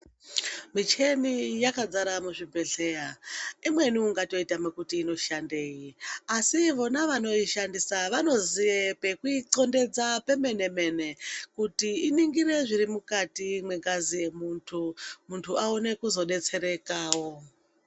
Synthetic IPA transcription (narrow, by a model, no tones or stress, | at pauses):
mit͡ʃe̞nijakad͡zaɾamuʐimbe̞ɬe̞jaimwe̞niuŋɡato̞itamwekutiːno̞ʃande̞ːjiasiʋo̞naʋano̞iʃandisaʋano̞ziepe̞kuiǀo̞nde̞d͡zape̞me̞ne̞me̞ne̞kutiːniŋɡiɾe̞ʐiɾimukatimwe̞ŋɡazije̞muntʰumuntʰuaone̞kuzo̞ɗe̞t͡se̞ɾe̞kaːwo̞